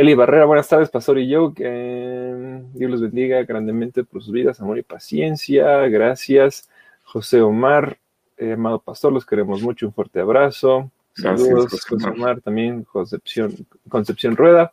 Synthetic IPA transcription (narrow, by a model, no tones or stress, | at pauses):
eliβare̞ɾaβwe̞nast̪aɾð̞e̞spast̪o̞ɾiʝoke | d̪jo̞le̞zβe̞nd̪iɣaɣɾand̪e̞ment̪e̞po̞ɾsuzβiðasamoɾipasje̞nsjaɣɾasjas | xo̞se̞omaɾ | eamaðo̞past̪o̞ɾlo̞ske̞ɾe̞mo̞zmut͡ʃouɱfwe̞ɾt̪e̞aβɾaso̞ | saluðososeomaɾt̪ambje̞ŋkosepsjon | ko̞nsepsjo̞nrwe̞ða